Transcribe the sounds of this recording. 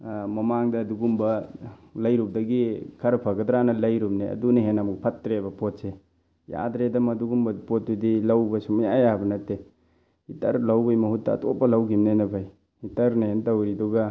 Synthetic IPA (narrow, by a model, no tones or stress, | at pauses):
mɐmaŋdɐːduɡumbɐlɐjɾup̚dɐɡikʰɐɾɐpʰaɡɐdɾanɐlɐjɾup̚neɐ̰duneɦenɐmuk̚pʰɐtːɾebɐpotse | ja̰dɾedɐmɐduɡumbɐdipot̚ːudilawbɐsumɐjajabɐnɐtːe | itɐɾlawbɐjmɐɦutːɐ̰ːtopɐlɐwɡimnenɐbʰʱaj | itɐɾneɦentawɾidɔɡa